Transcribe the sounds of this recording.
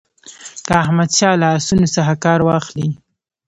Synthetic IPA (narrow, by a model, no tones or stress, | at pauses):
kəahmad̪ʃɑlaːsunosaxakɑɾwɑxli